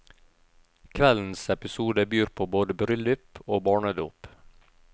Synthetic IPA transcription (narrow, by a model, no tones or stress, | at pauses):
kʰʋɛln̩sɛpɪsuːd̪əbyːɾpʰoːboːd̪əbɾʏlʏpoːbɑːɳəd̪ṵːp